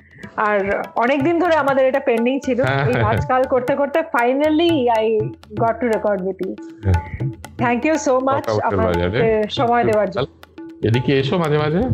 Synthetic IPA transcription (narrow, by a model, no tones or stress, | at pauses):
aɾɔnek̚d̪ind̪ʱoɾeamad̪eɾeʈapeɳɖiŋt͡ɕʰiloejad͡ʑkalkoɾt̪ekoɾt̪efajnaliajɡɔʈːuɾekɔɾɖwit̪i | t̪ʰɛŋkjusomat͡ɕaaaeɾʃɔmɔed̪eoaɾd͡ʑonːed̪ikeeʃomad͡ʑʱemad͡ʑʱe